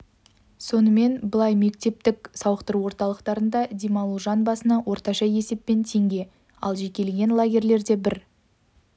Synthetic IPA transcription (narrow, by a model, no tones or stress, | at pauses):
so̞nəme̞nbəlˠɑjme̞k̚t̪e̞p̚t̪ɪksɑwəqt̪əɾuwo̞ɾt̪ɑlˠəqt̪ɑɾənd̪ɑd̪ʲimɑlˠuʒɑnbɑsənɑwʔo̞ɾt̪ɑʃɑje̞se̞pːe̞nt̪ʰe̞ŋɡʲe̞ | ɑ̰lˠʒe̞kʲe̞lɡʲe̞nlˠaɡʲe̞ɾle̞ɾd̪e̞bɪɾ